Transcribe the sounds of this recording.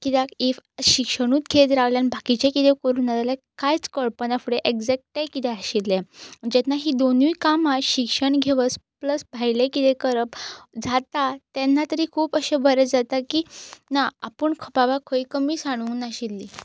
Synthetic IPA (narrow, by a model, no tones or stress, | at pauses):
kit̪akefɕikʂəɽ̃uːt̪ɡʱet̪ɾaɡljanbʱakit͡ɕakit̪ʰekəɾuːnat̪ala | kajt͡skəɭpənafuɽeʔeɡd͡zɛk̚ʈajkit̪ɛaɕilːɛd͡ʑɛt̪naɦiːd̪onujkamaɕikʂəɳɡʱeʋəspləsbʱajlekit̪ɛkəɾəpd͡zʱat̪at̪ɛnːat̪əɾiːkʰuːpəɕebʱəɾəd͡zat̪akiːnaapəɳkʰəpaʋakʰəikəmiːsaɽ̃uːnaɕilːi